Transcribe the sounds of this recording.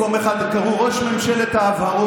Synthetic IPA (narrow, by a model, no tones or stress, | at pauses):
omeχad̪kaʁuʁo̞ʃmemʃelet̪haːvao